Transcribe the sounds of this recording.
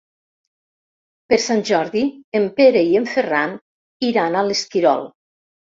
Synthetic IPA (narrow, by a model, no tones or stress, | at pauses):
peɾsanʲʒɔɾðiempeɾeieɱferan | iɾanaleskiɾɔ̰lˠ